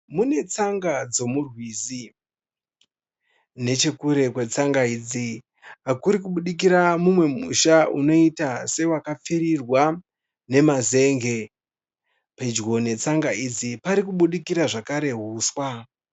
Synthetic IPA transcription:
mune̞t͡saŋɡad͡zo̞murwizi | ne̞t͡ʃe̞kuɾe̞kwe̞t͡saŋɡaiːd͡zi | akuɾikuɓuɗik̬iɾamumwe̞mṵʃauno̞itase̞wakap͡fiɾirwa | ne̞maze̞ŋɡe̞ | pe̞d͡ʒɡo̞ne̞t͡saŋɡaid͡zipaɾikuɓuɗikiɾaʐakaɾe̞ɦuːswa

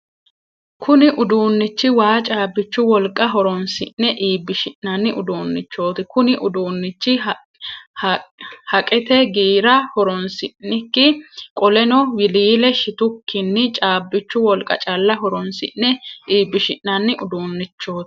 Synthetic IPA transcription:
kʰʊnɪʔʊd̪uːnːɪt͡ʃːɪwaːt͡ʃʼaːbːɪt͡ʃːʊwɔlkʼːɐɦɔɾɔnsɪ̰ʔːɛʔiːbːɪʃɪʔnɐnːɪʔʊd̪uːnːɪt͡ʃːo̞ːt̪ɪkʊnɪʔʊd̪uːnːɪt͡ʃːɪ | hhɐkʼɛt̪ɛɡiːɾɐhɔɾɔnsɪʔnɪkːɪkʼɔlɛnɔwɪliːlɛʃɪt̪ʊkːɪnːɪt͡ʃʼaːbːɪt͡ʃːʊwɔlkʼɐ̰t͡ʃʼɐlːɐɦɔɾɔnsɪ̰ʔnːɛʔiːbːɪʃɪʔːɐnːɪʔʊd̪uːnːɪt͡ʃːo̞ːt̪

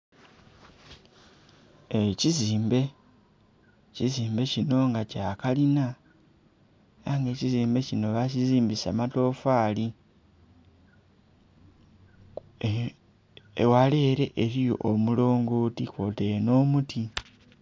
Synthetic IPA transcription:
eciziːmbe̞ | ciziːmbe̞cino̞ŋɡacaːkalina | aŋɡe̞ːciziːmbe̞cino̞βaciziːmbisa̰mato̞ːfaːli | ḛwale̞ɾe̞ʔeɾioʔo̰mulo̞ːŋɡoːtikote̞no̞ːmutʰi

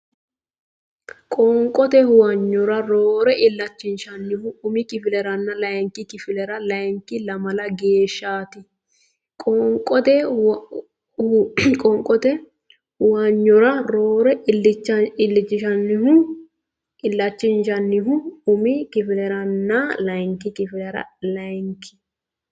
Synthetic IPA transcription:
kʼɔŋkʼɔt̪ɛhʊwɐɲːɔɾɐɾoːɾɛʔɪlːɐt͡ʃːɪnʃɐnːɪhʊʊmɪkɪfɪlɛɾɐnːɐlɐŋkːɪkɪfɪlɛɾɐlɐŋkːɪlɐmɐlɐɡeːʃːaːt̪ɪ | kʼɔŋkʼɔt̪ɛ | kʼɔŋkʼːɔt̪ɛ | wɐɲːɔɾɐɾoːɾɛɪt͡ʃːɪlːɪt͡ʃːɪʃɐnːɪhʊ | ʔɪlːɐt͡ʃːɪnʃɐnːɪɦʊʊmɪkɪfɪlɛɾɐnːɐlɐjŋkːɪkɪfɪlɛɾɐ̰lɐŋkʰɪ̥

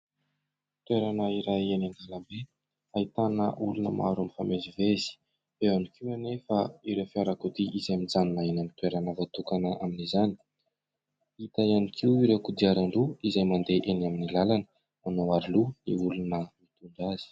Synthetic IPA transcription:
t̪weɾanəiɾajenanɡ̪aləmbe | ait̪anəʔulunəma̰ɾamifamezivez̥i̥ | eanikiwanefaiɾewfiaɾakud̪iʔizamind͡zannaenamit̪weɾanəvat̪ukanəʔaminizani̥ | it̪aianikʰiwiɾewkud̪iaɾaɳɖ͡ʐuizajmand̪eʔenaminilalanə̥ | manoaɾluniulunəmit̪unɖ͡ʐaz̥i̥

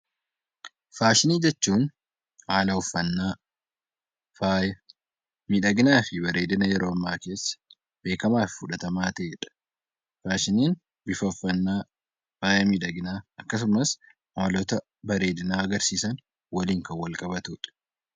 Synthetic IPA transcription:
faːʃɪniːd͡ʒɛt͡ʃːuːn | haːlɐʊfːɐnːaː | faːjɐ | miᶑɐɡɪnaːfɪbɐɾe̞ːd̪ɪnɐjɛɾo̞ːɐmːaːke̞ːsːɐ̥ | b̥e̞ːkɐmaːfɪfʊᶑɐt̪ɐmaːt̪eːɛᶑɐ̥ | faːʃɪniːn | bɪfɐʊfːɐnːaː | faːjɐmiᶑɐɡɪnaːɐkːɐs̬ʊmɐs | ɐmɐlɔt̪ɐ | bɐɾe̞ːd̪ɪnaːɐɡɐɾsiːsɐn | wɐliːŋkɐwɐlkʼɐbɐt̪uːᶑɐ̥

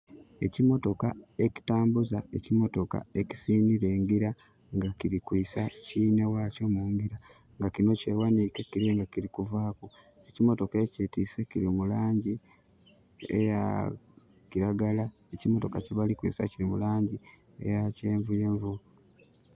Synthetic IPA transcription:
e̞̰cimo̞to̞kae̞ci̥taːmbuzae̞̰cimo̞to̞ka̰e̞ci̥siːniɾe̞ːŋɡiɾa | ŋɡaciɾikwiːsaciːnewaːco̞ːmuːŋɡiɾa | ŋɡakino̞ce̞wanikekiɾeŋɡakiɾikuvaːku | e̞cimo̞to̞ke̞cetise̞ciɾimulaːɲɟi | ḛja̰ | ciɾaɡala | ecimo̞to̞kaceβalikwḭːsa̰ciɾimulaːɲɟi | ḛjaceːɱvujeːɱvu

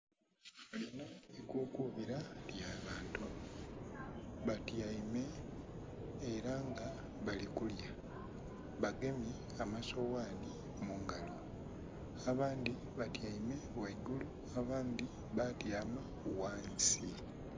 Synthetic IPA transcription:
alinaikuːkuβiɾaljaːβaːntu | βatjaime̞ | ɾaŋɡa | βalikulja | βaɡe̞me | amasowaːni | muŋɡalo | aβaːnd̪i | βatjaime̞weɡulu | aβaːnd̪i | βatjaːma | waːnsi

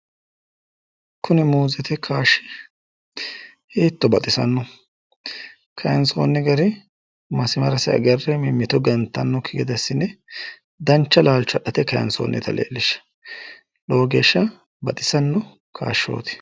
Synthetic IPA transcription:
kʊnɛmuːzɛt̪ɛkʰaːʃɪ̥ | heːt̪ːɔbɐt̪ʼɪsɐ̰nːɔ | kʰɐjɐnsoːnːɛɡɐɾɪ | mɐsɪmɐɾɐsɪɐ̰ɡɐrːɛmɪmːɪt̪ɔɡɐnt̪ːɐnːɔkʰɪɡɛd̪ɐsːɪnːɛ | d̪ɐnt͡ʃːɐlaːlt͡ʃɐɗɐt̪ɛkɐjɐ̰nso̰ːnːɛ̰t̪ɐlʔḛːlːɪʃːɐ̥ | loːɡe̞ːʃːɐ | bɐt̪ʼɪsɐnːɔ | kʰa̰ːʃːo̞̰ːt̪ɪ̥

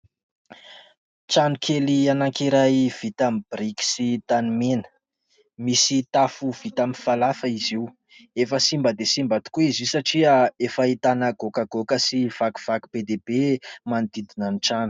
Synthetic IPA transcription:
ʈ͡ʂanukʰelianaŋkiɾajv̥it̪amib̥riki̥sit̪animenə̥ | misit̪afuv̥it̪amifalafəiziu | efəsimbəd̪esimbat̪u̥kuizisaʈ͡ʂiəefəit̪anaɡokaɡokəsiv̥aku̥v̥aku̥b̥ed̪ebemand̪id̪inəniʈ͡ʂanu

